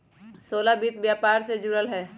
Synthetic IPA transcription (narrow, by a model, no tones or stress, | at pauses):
soːlabit̪bjaːpaːɾsed͡ʒʊɾəlɦɛː